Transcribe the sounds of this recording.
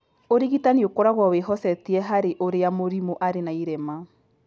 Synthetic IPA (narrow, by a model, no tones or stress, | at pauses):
oɾiɣitaniokoɾaɣwɔweɦɔsɛtiɛɦaɾeʔoɾeamoɾimoʔaɾenaiɾema